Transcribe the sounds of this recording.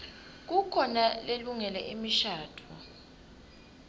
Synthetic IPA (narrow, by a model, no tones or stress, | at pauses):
k̬ukʰɔnaleluŋɛlɛʔimiʃaːtʰu